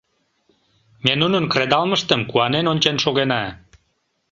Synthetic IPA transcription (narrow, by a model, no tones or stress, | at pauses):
mʲenunənkred̪ɑlməʃt̪əmkuɑnenonʲt͡ɕenʃoɣenɑ